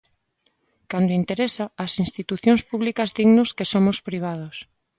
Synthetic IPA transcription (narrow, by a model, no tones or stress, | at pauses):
kand̪oint̪eɾesaːsinst̪it̪uθjõŋspuβlikɐzðiɣnoskesomʊspɾiβ̞að̞os